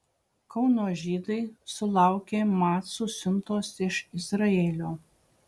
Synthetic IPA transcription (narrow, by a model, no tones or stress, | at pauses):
kɒʊnoːʒʲiːd̪ɐɪsʊlˠɑˑʊkʲeːmɑːt̪susʲʊnt̪oːsɪʃɪzɾɐeːlʲoː